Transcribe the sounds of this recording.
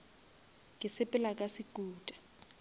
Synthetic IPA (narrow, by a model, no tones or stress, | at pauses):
kʼɪsɪpʼɪlakʼasɪkʼuːtʼḁ